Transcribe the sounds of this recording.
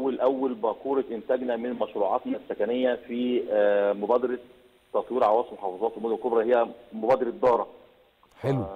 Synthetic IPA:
ælʔæwːælbɑkuːɾeʔɪnt̪æːɡnæmɪnmɑʃɾuːʕɑ̰t̪nɑsːækænejːæfi | mobæːd̪ɑɾˤɑ | t̪ːɑt̪ˤwiːɾʕawæːsˤelmoħɑfɑzˤɑːt̪filmod̪omelkobɾˤɑhejːæmobæːd̪ɑɾɑd̪ɑːɾˤɑ | ħe

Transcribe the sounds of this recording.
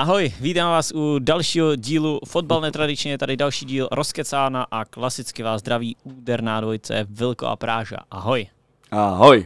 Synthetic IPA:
ʔaɦo̞jviːt̪aːmvaːsʔudalʃiːɦoɟiːlufod̚balnɛt̪ɾadɪt͡ʃɲɛjɛt̪adɪdalʃiːɟiːlɾʔo̞skɛt͡saːnaʔaklasɪt͡skɪvaːzd̪ɾaviːuːdɛɾnaːdvo̞jt͡sɛ̰vɪlko̰ʔa̰pɾaːʒa̰ʔaɦo̞j | ʔaɦoj

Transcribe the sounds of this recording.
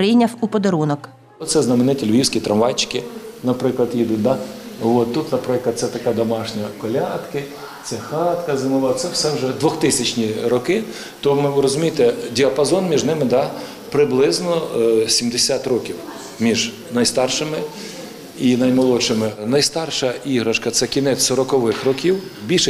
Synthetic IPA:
ɾɪjnʲɐwupɔd̪ɐɾunɔk | t̪sɛznɐmenɪtʲilʲʋʲiwsʲkʲit̪ɾɐmʋɑjt͡ʃkɪnɐpɾɪklˠɐd̪jid̪ut̪̚ʲd̪aʋot̪ːut̪nɐpɾɪklˠɐd̪̚sɛt̪ɐkɛd̪ɔmɑʃnʲɐkɔlʲɑt̪kɪ | t̪sɛxɑt̪kɐzɐmʊʋɑt̪sɛwsɛwʒɛd̪ʋɔxt̪ɪsʲɐt͡ʃnʲiɾɔkɪ | t̪ɔmɪʋɾɔzʊmʲijt̪ɛdʲiɐpɐzɔnmʲiʒnɪmɪd̪ɑ | pɾɪblˠɪznɔsʲimd̪esʲat̪rɔkʲiw | mʲiʒ | nɐjst̪ɑrʃɪmɪ | inɐjmɐlˠɔʃɪmɪnɐjst̪ɑrʃɐiɦɾɐʃkɐt̪sɛkʲinɛsɔɾɔkɔʋɪxrɔkʲiwbʲilʲʃɛ

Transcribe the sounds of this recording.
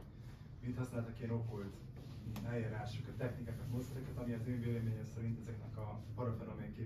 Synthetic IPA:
vit̪hɒsnaːlt̪ɒkeːno̞kolt̪ | nɛeɾaːʃokɛt̪ːɛxnikaːkɒt̪mosɛɾɛkɛt̪ɒmiɒzøːveːlɛmeːɲɛmsɛɾint̪ɛzɛknɛkɒpɒɾot̪ɒɾomeŋkeː

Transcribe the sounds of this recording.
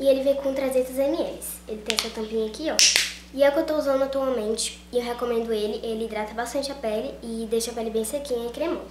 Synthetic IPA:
ɪelɪvẽj̃kõt̪ɾazet̪ɐzemiɛlɪs | elɪt̪ẽj̃ɐsuɐt̪ɐ̃mpĩɲɐkiɔ | ɪɛukewt̪ouzɐ̃nd̪ʊat̪uawmẽnt͡ʃɪ̥ | ewɦekomẽnd̪ʊelɪʔelɪd̪ɾat̪ɐbast̪ɐ̃nt͡ʃɪɐpɛlɪɪd̪ejʃɐpɛlɪbẽj̃sekĩɲɐɪkɾemõ

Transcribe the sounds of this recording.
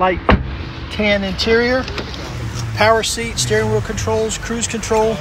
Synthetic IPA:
aɪt̚ | kʰæ̃nɨ̃ntʰɪɹiə˞ | pʰaʊə˞sitstɛɹɪ̃ŋɹʊlˠkʰə̃ntʰɹ̥oʊlˠz̥kʰɹ̥ʉz̥kʰɨ̃ntʰɹ̥oʊlˠ

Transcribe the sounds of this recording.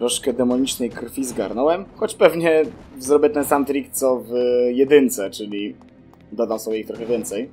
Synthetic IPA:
ɾɔʂkɛd̪ɛmɔɲit͡ʂnɛjkɾfʲizɡa̰ɾnɔwɛmxɔt͡ɕpɛvɲɛzɾɔbjɛt̪ɛnsamt̪ɾʲik̚t̪sɔvjɛd̪ɘnt̪sɛt͡ʂɘlʲi | d̪ɔd̪amsɔbʲjɛixt̪ɾɔxɛvʲjɛnt̪sɛj

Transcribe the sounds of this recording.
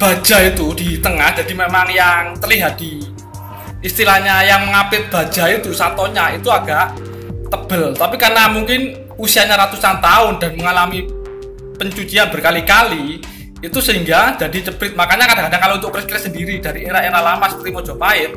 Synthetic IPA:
b̥a̤̥d͡ʒ̥a̤it̪udit̪əŋahd͡ʒ̥a̤dimemaŋjaŋt̪əliɦat̪̚d̥i | ist̪ilaɲajaŋməŋapɪt̪̚b̥a̤̥d͡ʒ̥ait̪usat̪ɔɲait̪uaɡ̥a̤ʔ | t̪əb̥əlt̪apikarnamuŋkɪn | usiaɲaɾat̪usant̪aʊnda̤nməŋalami | pəɲt͡ʃut͡ʃianb̥ərkalikaliː | t̪usəɦiŋɡad͡ʒ̥a̤dit͡ʃəb̥ɪt̪̚makaɲakadakadaŋkalount̪ʊʔkɾɪskiɾɪt̪səndiɾid̥a̤ɾieɾaeɾalamast̪ɾimɔd͡ʒɔ̤paɪt̪̚

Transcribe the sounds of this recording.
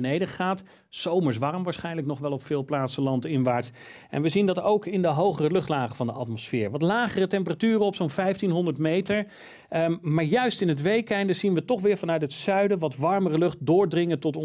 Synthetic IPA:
nejdəχaːt | sowməɹs̬ʋɑrmʋaːɹsχɛjnləknɔχʋɛlˠɔpfɪːlˠplaːtsəlɑntɪnʋaːɹt | ɛ̰nʋəzindɑtowkɪndəɦowχərəlɵχtlaːχəvɑndəʔɑ̰tmɔsfɪːɹʋɑtlaːχərətɛmpəratyːrənɔpsownvɛjftinɦɔndəɹtmejtəɹ | maːɹjœɥstɪnətʋejkɛndəzinʋətɔχʋɪːɹvɑnœɥtɦətsœɥdəʋɑtʋɑɹmərəlɵχt̚dʊːɹdrɪŋəntɔtɔ

